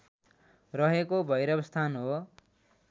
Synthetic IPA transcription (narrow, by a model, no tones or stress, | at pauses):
rʌɦekobʱʌjɾʌbʌst̪ʰanɦo